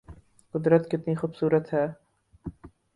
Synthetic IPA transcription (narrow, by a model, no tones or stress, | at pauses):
qʊd̪ɾət̪kɪt̪nixubsuːɾət̪ɦɛː